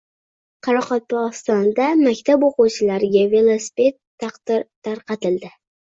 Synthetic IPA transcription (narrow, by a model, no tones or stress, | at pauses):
qʰɑɾɑqɒt̪̚pɑlˠst̪ɒnd̪amakʲt̪ʰaboquwt͡ʃʰɪlaɾɡʲave̞lˠosi̥pe̞t̪ʰːɑqd̪̥ɪɾt̪aɾqɑt̪ɪld̪ɪ